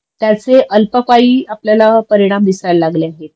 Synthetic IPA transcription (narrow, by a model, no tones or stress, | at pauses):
t̪jat͡seʔəlpəkaiːapljalapəɾiɽ̃amd̪isajlaɡleaɦet̪